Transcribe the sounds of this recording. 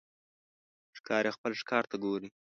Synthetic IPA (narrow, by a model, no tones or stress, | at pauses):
ʂkɑɾexpəlʂkɑɾt̪aɡoɾi